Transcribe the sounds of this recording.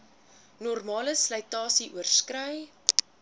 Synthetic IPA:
nɔrmɑːləsləjtɑːsiʔuərskrœj

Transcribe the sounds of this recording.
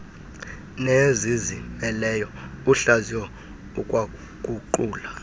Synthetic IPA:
nezizimɛlɛjɔuɬaziwɔ | ukʼwa | kʼuǃuːla

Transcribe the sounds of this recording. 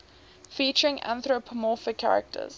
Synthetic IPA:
fiˑt͡ʃəɹɪ̃ŋã̰nθɹopʰəmɔˑfɪkʰːa̰ɹə̰k̚tʰə̰z̥

